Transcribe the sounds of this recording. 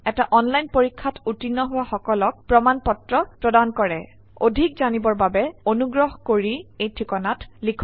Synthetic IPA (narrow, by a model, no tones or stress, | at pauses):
ɛtaʔɔnlajnpoɹikʰːatutinːɔɦʊwaxɔkɔlɔk̚pɹɔmanpɔtɹɔpɹɔdankɔɹɛ̰ | o̰dʱikzanibɔɹbabɛonuɡɹɔɦɔkoɹiejtʰikɔnatlikʰ